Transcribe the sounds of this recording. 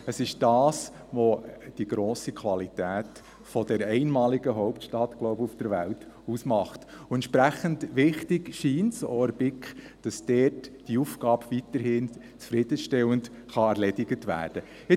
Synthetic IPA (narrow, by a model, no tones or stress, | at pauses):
əsɪʃd̥ɑːs | ʋod̥iɡ̥ɾoːsikʰʋɑlitæːt | fɔd̥ɛɾɛɪnmɑːliɡəɦɔʊptʃtɑtɡ̥lɔʊbəufd̥əɾʋælt | usmɑχtʊɛntʃpɾæχəntʋɪχtɪɡʃiːnsɔəɾbɪkχ | d̥ɑsd̥ɛːtd̥iufɡ̥ɑːbvitəɾhɪn | t͡sfɾɪd̥əʃtɛwənt | χɑæɾlɛdɪɡətʋæ̰ːɾd̥ə | ɪ